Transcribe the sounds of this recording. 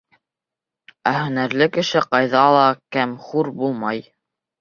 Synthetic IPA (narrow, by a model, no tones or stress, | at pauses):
æhɵ̆næɾlɘkɘ̆ʃɘqɑjðɑlˠɑkæmχuɾbulˠmɑj